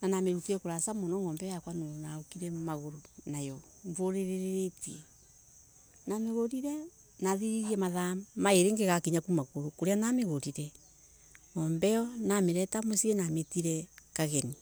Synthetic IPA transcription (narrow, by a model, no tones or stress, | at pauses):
nanameɾutiɛkoɾasamonɔŋɡɔmbɛjakwanoɾonaokiɾɛmaɣoɾonajɔ | ɱvoɾeɾeɾeɾetiɛ | nameɣoɾiɾɛ | naðiɾiɾiɛmaðamaeɾeŋɡeɣakiɲakumaɣoɾokoɾeanameɣoɾiɾɛ | ŋɔmbɛɔnameɾɛtamosienametiɾɛkaɣɛni